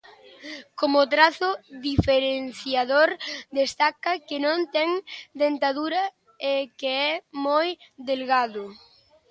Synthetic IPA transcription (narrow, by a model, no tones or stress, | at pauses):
komʊt̪ɾaθʊðifeɾenθjaðoɾd̪est̪akɐkenõnt̪ɛŋd̪ent̪aðuɾɐ | ekeɛmojd̪elɣaðʊ